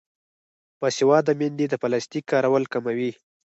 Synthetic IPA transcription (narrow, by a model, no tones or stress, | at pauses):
pəsɪwɑd̪əmend̪id̪əpalast̪ikːɑɾawəlkamawi